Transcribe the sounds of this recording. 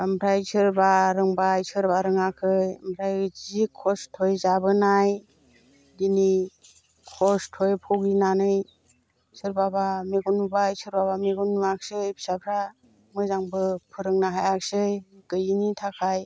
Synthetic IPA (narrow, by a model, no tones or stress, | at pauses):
ambʰɾajsʰɯɾbaɾɯŋbajsɯɾbaɾɯŋakʰɯjmpʰɾajzikʰɔstʰojzabɯnaj | dini | kʰɔstʰɔjpʰɔwɡinanɯj | sɯɾbabameɡunubajsɯɾbaβameɡunuak̚sɯjbi̥sapʰɾa | mɯzaŋbɯpʰɯɾɯŋnaɦajak̚sɯjɡ̥ɯjinitʰakʰaj